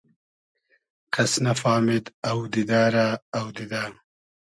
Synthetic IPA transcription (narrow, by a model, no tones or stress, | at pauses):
kʰɐsnafaːmɪd̪ɐwd̪id̪aːɾaːwd̪id̪aː